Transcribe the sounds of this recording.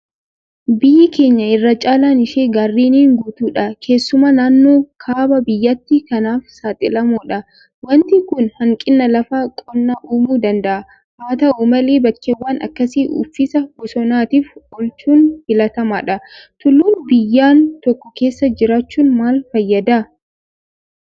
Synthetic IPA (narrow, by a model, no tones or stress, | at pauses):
bɪjːɪke̞ːɲːɐɪrːɐt͡ʃʼaːlaːnɪʃeːɡarːiːniːŋɡuːt̪uːᶑɐkʰe̞ːsːʊmanaːnːo̞ːkʰaːbɐbɪjːɐt̪ːɪkɐnaːfsaːt̪ʼɪlɐmoːᶑɐ | wɐnt̪ɪŋkʊnhɐŋkʼɪnːɐlɐfaːkʼɔnːaʔuːmuːd̪ɐnd̪ɐʔɐ | haːt̪ɐʔomɐleːbɐkːewːaːnɐ̰kːɐsiːʔʊ̰fːɪsɐɡ̥ʊsɔnaːt̪iːfɔlt͡ʃuːnhɪlɐt̪ɐma̰ːᶑɐt̪ʊlːuːnbɪjːaːnt̪ɔkːɔke̞ːsːɐd͡ʒɪɾaːt͡ʃːuːnmaːlfɐjːɐd̪aː